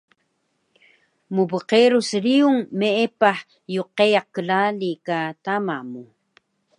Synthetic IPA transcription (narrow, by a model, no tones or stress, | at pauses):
mubəqeɾusəɾiuŋmeʔepaħ | juqejaq̚kəlalikatamamu